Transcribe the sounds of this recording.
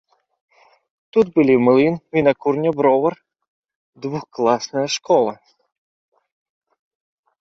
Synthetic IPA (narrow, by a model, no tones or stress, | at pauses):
t̪ut̪bʊlʲimɪlˠɪnʋʲinɐkurnʲɔbɾɔʋɐr | d̪ʋuxklˠɑsnɐjɐʃkɔlˠɐ